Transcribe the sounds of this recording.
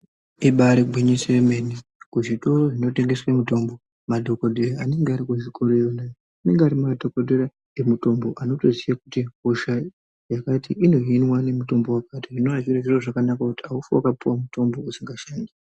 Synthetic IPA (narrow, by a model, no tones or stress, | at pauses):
iɓaɾeɡwiɲiseemenekuʐito̞roʐino̞te̞ŋɡe̞swamuto̞mbo | madʱo̞kodʱeɾaːne̞ŋɡeaɾikuʐikʰoɾojonajo | ane̞ŋɡeaɾimmadʱokodʱoɾa | emuto̞mbo̞ʔano̞tozijakutiɦoʃa | jakatiʔino̞ɦinwane̞muto̞mbo̞wakatiʐinoaʐiɾaʐiro̞ʐakanakakutiaufuwakapuwamuto̞mbo̞usiŋɡaʃaːndi